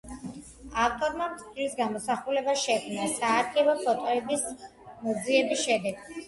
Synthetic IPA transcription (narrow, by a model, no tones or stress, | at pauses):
aft̪ʼɔɾmamt̪sʰʼilisɡamɔsaχulɛbaʃɛkʰmnasaːɾɡɛbɔpʰɔt̪ʼɛbis | mɔd̪ziɛbisʃɛd̪ɛɡ